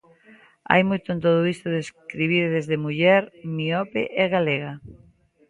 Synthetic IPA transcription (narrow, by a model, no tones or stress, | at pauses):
a̰jmojt̪ʊẽnt̪oðʊist̪ʊðeskɾiβiɾðezðemuʎɛɾmiɔpḛʔɛɣaleɣa